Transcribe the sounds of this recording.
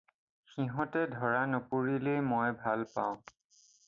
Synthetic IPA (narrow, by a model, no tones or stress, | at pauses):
xiɦɔ̃tɛdʱɔɹanupuɹilejmɔjbʱalpa̰ʊ̃